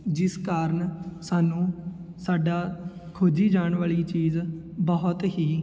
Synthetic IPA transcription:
d͡ʒɪskaːɾəɳsaːnũːsaːɖaːkʰʊd͡ʒiːd͡ʒaːɳʋaːɭiːt͡ʃiːz | bɔɦʊt̪ɦiː

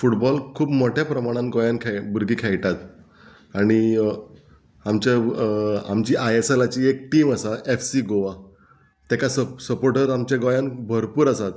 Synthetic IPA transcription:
fuʈbɔlkʰuːbmɔʈʰjapɾəmaɽ̃ãnɡojãnkʰɛbuɾɡiːkʰɛjʈat̪ | aɽ̃i | amt͡ɕa | a̰mt͡ɕiːʔajeselat͡ɕiːek̚ʈiːməsaʔefsiːɡoʋa | t̪ɛkasəsəpoɾʈəɾamt͡ɕaɡojanbʱəɾpuːɾəsat̪

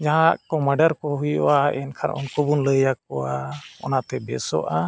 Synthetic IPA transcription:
d͡ʒaɦaaʔkɔmaɖaɾkɔɦujɔ̰waɛnkʰaɾʔɔ̰nkubunləjak̚ɔwaɔ̰nat̪ɛbɛsɔ̰ʔa

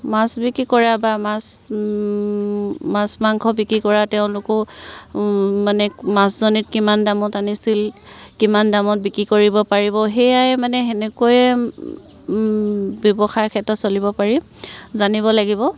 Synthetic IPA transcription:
masbikɹikɔɹabamas | masmaŋkʰɔbikɹikɔɹatɛʊ̃lʊkʊ | manɛmaszonit̚kimandamɔtanisilkimandamɔt̚bikɹikoɹibɔpaɹibɔɦɛjajmanɛenekɔjɛ | bjɔbɔxaɹkʰɛtɔtsolibɔpaɹi | zaniβɔlaɡibɔ

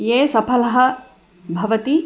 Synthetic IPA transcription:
jeːsɐpʰɐlɐɦɐ̆ | bʱɐʋɐt̪i

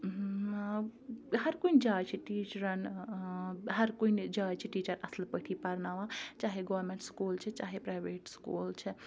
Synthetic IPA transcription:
hɐɾkund͡ʒaːt͡ʃʰiʈiːt͡ʃɾɐn | ɦɐɾkund͡ʒaːt͡ʃʰiʈiːt͡ʃɐɾɐslpəʈ̪ʰipɐɾnaʋãt͡ʃaːɦeɡɐʋɐɾmeɳʈskult͡ʃʰet͡ʃaːɦepɾaːjbeːʈskuːlt͡ʃʰe

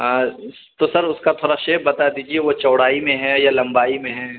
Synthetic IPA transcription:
ɦã | t̪osɐɾʊskat̪ʰoːɾaʃeːbɐt̪ad̪iːd͡ʒiɛʋot͡ʃɐːɽaːimẽɦɛ̃jalɐ̃mbaːimẽɦɛ̃ː

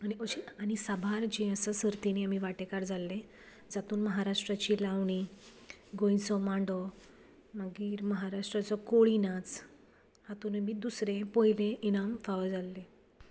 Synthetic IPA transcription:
añioɕiaɽ̃isabʱaɾd͡ʑẽəsəsəɾt̪iniamiʋaʈekaɾd͡zʱalːẽ | d͡zat̪uːnməɦaɾaʂʈɾat͡ɕiːlaʋɳ̃i | ɡõjsɔmaɳɖɔ | maɡiːɾməɦaɾaʂʈɾat͡sɔkoɭinat͡s | hat̪unemid̪usɾẽpɔjlẽinamfaʋəd͡zalːe

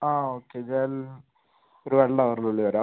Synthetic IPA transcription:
aːoːkːeid͡ʑaːl | oɾuʋɐɭːɐɐʋɐɾiluɭːiʋɐɾaː

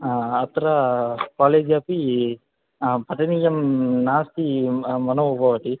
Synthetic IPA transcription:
ɐt̪ɾɐkaːleːd͡ʒjaːpi | pɐʈɐnijɐmnaːst̪imɐnɐʋubʱɐʋɐʈi

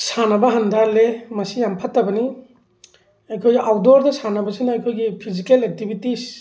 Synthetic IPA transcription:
sanɐbɐɦandalemɐsijampʰatːɐbɐni | ajkʰojɡiʔawdɔɾdɐsanɐbɐsinɐajkʰojɡipʰizikelek̚tibitis

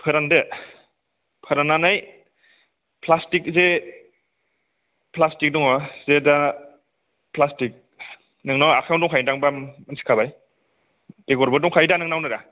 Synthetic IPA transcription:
pʰɯɾande | pʰɯɾananaj | pʰlastik̚ze | plastik̚dɔŋɔzeda | plastik̚ | nɯŋnawakʰawndɔŋkʰajndaŋbamansi̥kʰabaj | teɡɔɾbadɔŋkʰajdanɯŋnawnɯɾa

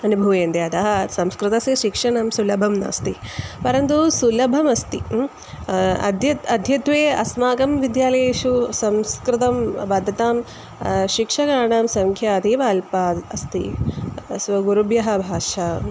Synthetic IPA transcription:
ɐnubʱuʋeːnt̪eɐt̪ɐɦɐsɐmskɾɪt̪ɐsɐʃikʂɐɳɐmsulɐbʱɐmnɐ̰ːst̪ipɐɾɐnt̪usulɐbʱɐmɐst̪i | d̪jɐɐd̪ʱjɐt̪ʋeːɐ̰smaːɡɐmʋid̪jaːlɐjeːʃusɐmskɾɪt̪ɐmbaːd̪ʱɐt̪aːm | ʃikʂɐkaːɾɳaːmsɐŋkʰjaːɐd̪eːʋaːlpaːɐst̪ḭ | sʋɐɡuɾubjɐɦɐ̆bʱaːʃɐ

